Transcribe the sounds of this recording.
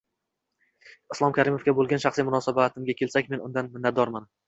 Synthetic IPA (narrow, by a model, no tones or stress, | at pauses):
ɪslˠɒmkʲʰaɾɪmofɡʲabolˠɡʲanʃaχsimʊnɒsabat̪ʰɪmɡʲakʲʰe̞lsakʲme̞nʊnd̪anmɪnːat̪̚d̪ɒɾman